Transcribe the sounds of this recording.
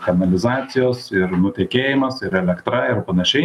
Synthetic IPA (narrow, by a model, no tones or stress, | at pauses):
kɐnɐlʲɪzɑːt̪sʲɪjoːsɪɾnʊt̪ʲɛːkʲeːjɪmɐsɪɾɛlʲɛkt̪ɾɐɪrpɐnɐʃʲɛɪ